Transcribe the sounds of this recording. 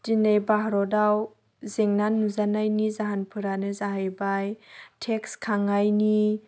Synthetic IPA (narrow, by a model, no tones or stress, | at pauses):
dinejbaɦɾɔdaw | zeŋnanːuzanajnizaɦanpʰɯɾanɯzaɦajbajtʰekskʰaŋajni